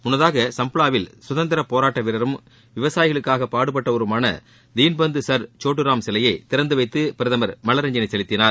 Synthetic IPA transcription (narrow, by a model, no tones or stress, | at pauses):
mʊnːɐðaːɣɐsɐmpɯɭaːʋɪlswʊðɐnd̪ɐɾɐpoːɾaːʈːɐʋɪɾɐɾɯm | ʋɪʋɐsaːjɪɣɐɭɯkːaːɣɐpaːɽɯp̬ːɐʈːɐɔɾɯmaːnɐ̰ | d̪iːnbɐnd̪ɯsɐɾt͡ʃoːʈːɯɾaːmsɪlɐjɐɪt̪ɪɾɐnd̪ɯʋɐɪt̪ːɯpɪɾɐðɐmɐɾmɐlɐɾɐɲd͡ʒɐnɐɪsɛlɪt̪ːɪnaːɾ